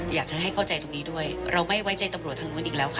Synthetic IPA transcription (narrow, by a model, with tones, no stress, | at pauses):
jaː˨˩k̚t͡ɕʰa˧˩ɦa˥˩jkʰa˥˩wt͡ɕa˧jt̪o˧ŋniː˦˥du˥˩əjɾa˧wma˥˩jwa˦˥jt͡ɕa˧jt̪a˧mɾu˨˩ət̪ʰa˧nu˦˥nʔiː˧˩lɛː˦˥wkʰa˦˥˩